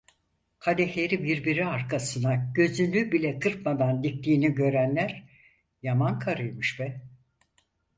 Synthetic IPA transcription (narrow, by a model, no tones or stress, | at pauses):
kʰad̪ɛçeɾibiɾbiɾiaɾkʰasɯnaɟø̞zynybilʲɛkʰɯɾpmad̪and̪ik̚t̪ʰiːniɟø̞ɾænlʲæɾ | jamankʰaɾɯjmɯʃbɛ